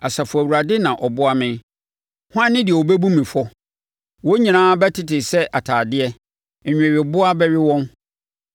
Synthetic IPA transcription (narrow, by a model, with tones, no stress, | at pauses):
a˨sa˨fʊ˨æ˨wu˨ɾa˨dɪ˦nã˨ʔɔ˨bʊ˦a˦mɪ̃˦ | hʊ˦ã˦nːɪ̃˦dɪ˨ɛ˨wɔ˨be˦bũ˦mĩ˨fɔ˦ | wɔ˦ɲĩ˨nãː˦bɛ˦tʰɪ˦tɪ˨sɛ˦ʔa˨tʰaː˨dɪ˦ɛ˦˨ | ɲᶣ˨ɛ̃˨ɥɪ˨bʊ˦a˦bɛ˦ɥɪ˦wɔ̃˦n